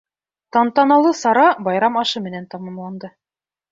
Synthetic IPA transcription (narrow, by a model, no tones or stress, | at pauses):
t̪ɑnt̪ɑnɑlˠɤsɑɾɑbɑjɾɑmɑʃɤmɘ̆nænt̪ɑmɑmlˠɑnd̪ɤ